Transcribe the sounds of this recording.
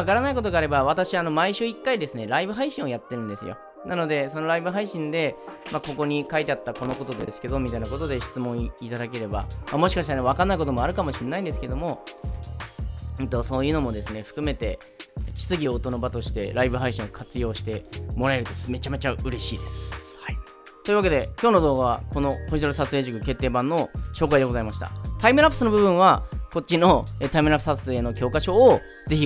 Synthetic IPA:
akaɾanaiko̞t̪o̞ɡaːɾe̞baβat̪aɕiano̞maiɕɨːikːaid̪e̞sɨne̞ɾaibɯ̟ɦaiɕĩo̞jat̪ːe̞ɾɯ̟̃nd̪e̞sɨ̰jo̰ | nano̞d̪e̞so̞no̞ɾaibɯɦaiɕĩnd̪e̞mako̞ko̞ɲ̟ikait̪e̞at̪ːako̞no̞ko̞t̪o̞d̪esɨ̥ke̞d̪o̞mʲit̪ainako̞t̪o̞d̪e̞ɕi̥t͡sɨmõit̪ad̪ak̬e̞ɾe̞ba̰mamo̞ɕikaɕi̥t̪aneβakanːaiko̞t̪o̞moaɾɯ̟kamo̞ɕĩnːaĩnd̪e̞sɨ̥ke̞d̪o̞mo̞ | ɯ̃t̪o̞so̞ːjɯ̟ːno̞mo̞d̪e̞sɨne̞ɸɯ̟̥kɯ̟me̞t̪e̞ | t͡ɕi̥t͡sɨɡʲiot̪o̞no̞bat̪o̞ɕi̥t̪e̞ɾʔaibɯ̟ɦaiɕĩokʰat͡sɨjo̞ːɕi̥t̪e̞mo̞ɾae̞ɾɯ̟t̪o̞me̞t͡ɕame̞t͡ɕaɯ̟ɾe̞ɕiːd̪e̞sɨ̥hai | t̪oiɯ̟βake̞d̪e̞kʲo̞ːno̞d̪o̞ːɡaβako̞no̞koʑiaɾɯsat͡sɨeʑikɯ̟ke̞t̪ːe̞ːbãnːo̞ɕo̞ːkaid̪e̞ɡo̞zaimaɕi̥t̪a̰t̪aimɯɾapːɯ̥sɨno̞bɯ̟bɯ̟̃ɰ̃βako̞t͡ɕːino̞et̪aimɯɾapːɯ̥sat͡sɨe̞ːno̞kʲo̞ːkaɕo̞ː | ze̞çi

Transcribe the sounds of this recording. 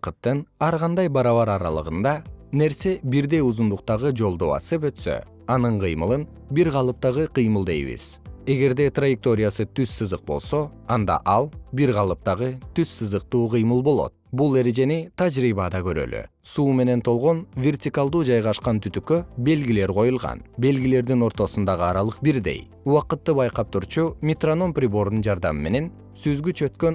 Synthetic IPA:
qɯt̪ːɯnɑɾʁɑnd̪ɑjbɑɾɑβɑɾɑɾɑ̰lˠɯ̰ʁɯnd̪ɑne̞ɾse̞biɾd̪e̞juzund̪uq̚t̪ɑʁɯd͡ʒo̞lˠd̪o̞ɑ̰sɯp̬ø̞t̪sø̰ | ɑnɯɴqʰɯjmɯlˠɯn | biɾʁɑlˠɯp̚t̪ɑʁɯqʰɯjmɯlˠd̪ejβḭz̥e̞ɡe̞ɾd̪e̞t̪rajɪk̚t̪o̞ɾʲɪjasɯt̪yssːɯzɯq̚bo̞lˠso̞ | ɑnd̪ɑ̰ʔɑlˠbiɾʁɑlˠɯp̚t̪ɑʁɯt̪yssɯzɯq̚t̪uːqɯjmɯlˠbo̞lˠo̰t̪̚bulˠe̞ɾe̞d͡ʒe̞nit̪ʰɑd͡ʒɾiːβɑd̪ɑkø̞ɾø̰ly̰ | suːme̞ne̞nt̪ʰo̞lˠʁo̞nvʲe̞rtʲikalˠd̪uːd͡ʒɑjʁɑʃqɑnt̪ʰyt̪ykøbe̞lɡile̞ɾqʰo̞julˠʁɑ̰nbe̞lɡile̞ɾd̪ino̞ɾt̪o̞sund̪ɑʁɯɑɾɑlˠɯq̚biɾd̪e̞̰j | uwɑqɯt̪ːɯbɑjqɑp̚t̪uɾt͡ʃumʲit̪rono̞mprʲɪbo̞ɾd̪und͡ʒɑɾd̪ɑmɯme̞ne̞n | syzɡyt͡ʃø̞t̪køn

